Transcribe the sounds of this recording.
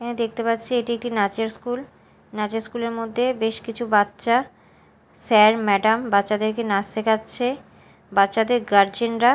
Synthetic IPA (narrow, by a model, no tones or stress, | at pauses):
d̪ek̚t̪epatːɕʰieʈiek̚ʈinat͡ɕeɾskul | nat͡ɕeɾskuleɾmod̪ʱːebeʃkit͡ɕʰubatːɕa | sɛɾmɛɖambatːɕad̪eɾkenast̪ekʰatːɕʰe | batːɕʃad̪eɾɡaɾd͡ʑenɾa